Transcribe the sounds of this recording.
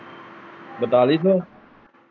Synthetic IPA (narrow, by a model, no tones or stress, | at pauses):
bət̪aliso